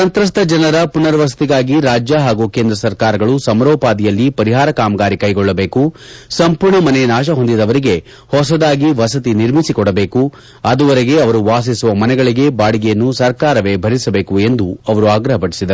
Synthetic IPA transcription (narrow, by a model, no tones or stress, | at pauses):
sɐnt̪ɾɐst̪ʰɐd͡ʒɐnɐɾɐpunɐɾʋɐsɐ̥t̪iɡaːɡiɾaːd͡ʒjɐɦaːɡukeːnd̪ɾɐsɐɾkaːɾɐɡɐɭusɐmɐɾɔːpaːd̪ijɐlːipɐɾiɦaːɾɐkaːmɐɡaːɾikɐjɡɔɭːɐbe̞ːkusɐmpuːɾɳɐmɐnenaːʃ̬ɐɦo̞nd̪id̪ɐʋɐɾiɡe̞ | hɔsɐd̪aːɡiʋɐsɐt̪̬iniɾmisikɔɽɐbe̞ːku | ɐd̪uʋɐɾɛɡe̞ɐʋɐɾuʋaːs̬isuʋɐmɐnɛɡɐɭiɡe̞baːɽiɡɛjɐnːusɐɾkaːɾɐʋe̞ːbʱɐɾisɐbe̞ːkue̞nd̪uɐʋɐɾuaːɡɾɐɦɐpɐɽisid̪ɐɾu